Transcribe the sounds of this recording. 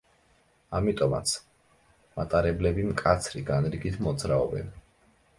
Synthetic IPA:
amit̪ʼɔma̰t̪sʰ | mat̪ʼaɾɛblɛbimkʼat̪sʰɾiɡanɾiɡit̪ʰmɔd̪zɾaɔbɛ̰n

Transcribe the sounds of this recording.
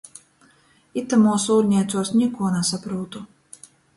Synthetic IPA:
it̪ːamuɔsuːɾɲʲɛɛt̪susɲʲikuɔnasapɾuːt̪u

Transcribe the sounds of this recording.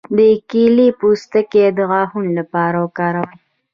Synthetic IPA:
d̪əkilipust̪əked̪əɣɑhunlapɑɾawəkɑɾawəj

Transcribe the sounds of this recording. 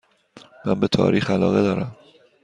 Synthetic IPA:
mænbet̪ʰɒ̰ːɾʔiːxælɒ̰ːɣed̪ɒːɾæm

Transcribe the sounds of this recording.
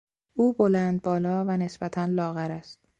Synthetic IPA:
ʔuːbolænd̪̚bɒːlɒːvæne̞sbæt̪ʰænlɒːɣæɾæst̪̚

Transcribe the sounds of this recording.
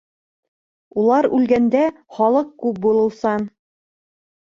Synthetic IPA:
ulˠɑɾʉlɡænd̪æχɑlˠɤq̚kʉp̚bulˠɤ̆lˠsɑn

